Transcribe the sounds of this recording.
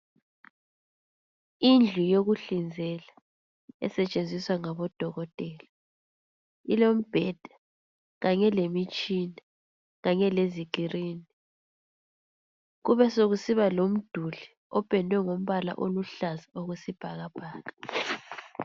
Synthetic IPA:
ind͡ɮʱujoɣuɬind͡zʱɛla | ɛ̰sɛt͡ʃʼend͡zʱiswaŋaβɔd̥ʱɔɣɔtʼɛːla | ilom̩b̥ʱɛd̥ʱḁ | ɣaɲɛlemit͡ʃʼina | ɣaɲɛleziɡʱiriːni | ɣuβɛsoɣusiβalom̩d̥ʱuɮi | ɔb̥ʱɛndʱwɛŋom̩βala̰ʔoluɬazaoɣusib̥ʱaɣab̥ʱaːɣa

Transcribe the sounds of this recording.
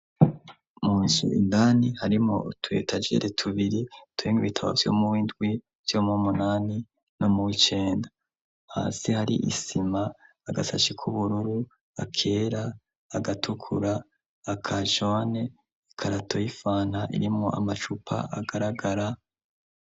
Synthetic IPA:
muːnsṵḭndaːnihaɾimo̞̰tʰwḛtʰad͡ʒḛɾʔetʰuβiɾitwiːŋɡuitʰawa̰vjo̞̰muwindɡwi | vjo̞mumunaːni | nomuwit͡ʃe̞ːnda | ha̰ːsihaɾḭʔḭsimaː | ɡa̰sa̰ʃikʰuβuɾuɾu | akʰe̞ːɾaː | ɡatʰukʰuɾaː | kʰaʒo̞ne | ikʰaɾatʰo̞jifaːn̥haʔḭɾimŋoʔa̰mat͡ʃupʰa̰aɡaɾaɡaɾa

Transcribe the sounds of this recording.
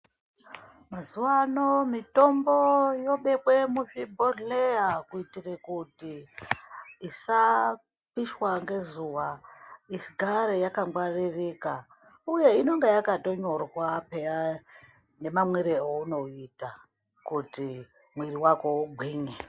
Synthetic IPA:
mazuwanomito̞mbojo̞ɓe̞ɓwe̞muʐibʱorlejakuitirekuti | isa | piʃwaŋɡe̞zuwaiʃiɡʱaɾejakaŋɡwaririka | uje̞ino̞ŋɡejakato̞ɲo̞rwapea | ne̞mamweɾeouno̞ita | kuti | mwiriwako̞uɡʱwiːŋe

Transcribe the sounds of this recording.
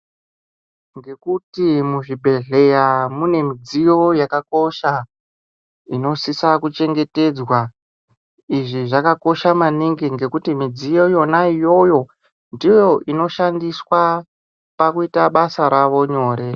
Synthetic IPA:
ŋɡe̞kutimuʐibʱe̞ɮe̞jamune̞mid͡zijo̞jakako̞ʃa | ino̞sisakut͡ʃe̞ŋɡe̞te̞d͡zwa | iʐiʐakako̞ʃamaniŋɡiŋɡe̞kutimid͡zijo̞jo̞naijo̞jo̞ | ndijo̞ʔino̞ʃandiswa | pakuitaɓasaɾaʋo̞ɲo̞ːɾe̞

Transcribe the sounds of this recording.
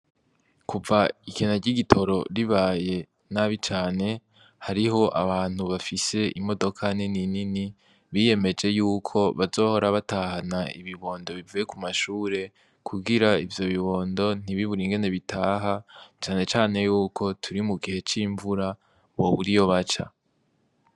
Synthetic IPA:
kuvaikenaɟiɡitʰo̞ɾo̞ɾiβaːje̞ | naβit͡ʃaːne̞ | haɾiɦo̞ʔa̰βaːn̥huβafise̞ʔimo̞do̞kʰanininini | βije̞me̞d͡ʒe̞juːkʰo̞βazo̞ːho̞ɾaβataːhanaḭβiβo̞ːndo̞βivuje̞kumaʃuːɾe̞ | kʰuɡiɾaivjo̞βiβo̞ːndo̞n̥iβiβuɾiŋɡe̞ne̞βitʰaːɦat͡ʃaːne̞t͡ʃaːne̞juːkʰo̞tʰuɾimuɡihe̞t͡ʃiːɱvuɾa | βo̞βuɾijo̞βat͡ʃa̰

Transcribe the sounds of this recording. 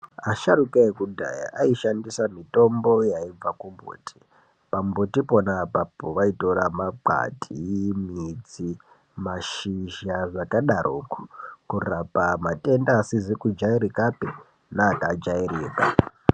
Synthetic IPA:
aʃaɾukaekudʱa̰ja̰ʔaiʃandisamito̞mbo̞jaib͡vakumbo̰ːtʰi̥ | pambotiponapapoʋaito̞ramaǃa̰tʼimid͡zi | maʃiʒaʐakaɗarʔoku̥kurapamatʼe̞ndaːsizikud͡ʒaiɾikapi | naːkad͡ʒairiːka̰

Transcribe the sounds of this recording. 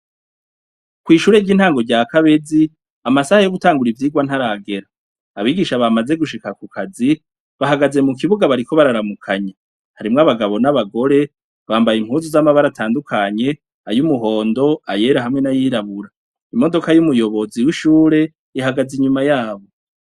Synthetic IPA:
kwiːʃuːɾeɟiːn̥haːŋɡo̞ɟaːkaβe̞zi | amasahajo̞ɡutaːŋɡuɾivjiːɡwan̥haɾaɡe̞ɾaː | βiːɡiʃaβamaze̞ɡuʃikakukʰazi | βaɦaɡaze̞muk̬iβuɡaβaɾikʰo̞βaɾaɾamukʰaɲe | haɾimŋaβaɡaβo̞naβaɡo̞ɾe̞ | βaːmbajim̥huːnzuzamaβaɾatʰaːndukʰaɲe̞ | ajumuɦo̞ːndo̞aje̞ːɾaɦamŋe̞najiːɾaβuɾa | imo̞do̞kajumujo̞βo̞ziwiʃuːɾe̞ | iɦaɡaziɲumajaːβo̞

